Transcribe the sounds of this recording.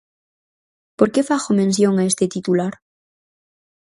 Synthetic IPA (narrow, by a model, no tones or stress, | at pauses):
po̞ɾkefaxomẽns̬joŋaest̪et̪it̪ulaɾ